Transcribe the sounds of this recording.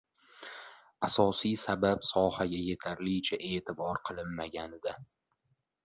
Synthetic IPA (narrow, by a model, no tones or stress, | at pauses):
asɒsijsabapsɒhaɡʲaje̞t̪ʰaɾlɪt͡ʃʰaʔe̞ːt̪ʰɪbɒɾqʰɨlˠɪnmaɡʲanɪd̪a